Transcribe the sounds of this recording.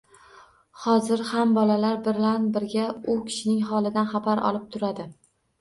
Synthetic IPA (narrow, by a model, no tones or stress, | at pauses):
hɒzɪɾhambɒlalaɾbɪɾlanbɪɾɡʲaʊkʲʰɪ̥ʃɪnɪŋɦɒlˠɪd̪anχabaɾɒ̰lɪp̚t̪ʰʊɾad̪ɪ